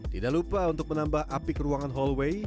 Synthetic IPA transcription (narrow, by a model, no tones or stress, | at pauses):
t̪idaʔlupaunt̪ʊk̚mənambahʔapikəɾuaŋanɦɔlwej